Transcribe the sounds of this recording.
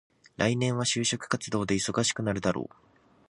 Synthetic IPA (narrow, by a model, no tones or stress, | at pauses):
ɾʔainẽ̞ɰ̃β̞aɕɨːɕo̞kɯ̟̥kat͡sɨd̪o̞ːd̪e̞iso̞ɡaɕi̥kɯ̟naɾɯ̟d̪aɾo̰ː